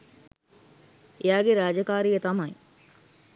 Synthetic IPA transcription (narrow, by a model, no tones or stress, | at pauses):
eaːɡeɾaːd͡ʒəkaːɾijət̪ɐmɐj